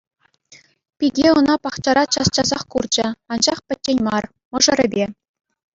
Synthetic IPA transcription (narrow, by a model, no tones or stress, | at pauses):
pʲiɡʲeɤnɑpɑχt͡ɕɑɾɑt͡ɕɑst͡ɕɑzɑχkurd͡ʑɘ̆ɑnd͡ʑɑχpʲɘ̆t̚ʲːenʲmɑr | mɤ̆ʐɤ̆ɾʲɘ̆bʲe